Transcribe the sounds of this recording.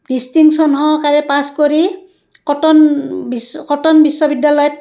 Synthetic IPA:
distiŋksɔnɦɔkaɹɛpaskoɹi | kɔtɔnbiskɔtɔnbisːɔbidjalɔjɔt̚

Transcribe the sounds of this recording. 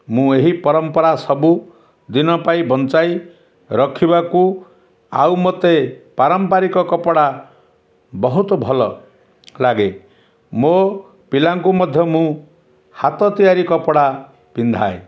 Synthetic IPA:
mũeɦipɔɾɔmpɔɾasɔbu | d̪inɔpaibʱɔnt͡ʃaj | ɾɔkʰibaku | a̰wmɔt̪epaɾɔmpaɾikɔkɔpɔɽa | bɔɦut̪ɔbʱɔlɔ | laɡe | mo | pilaŋkumɔd̪ʱjɔmũ | hat̪ɔt̪ijaɾikɔpɔɽa | pind̪ʱae

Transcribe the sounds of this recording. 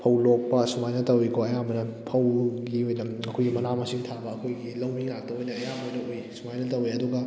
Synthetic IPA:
pʰɐwlok̚pɐsumajnɐtɐwikʰoɐjamɐnɐpʰɐwɡiojnɐɐkʰojɡimɐnamɐsiŋtʰabɐɐkʰojɡilɐwmiŋatɐwojnɐɐjamɐnɐwisumajnɐtɐwiɐduɡɐ

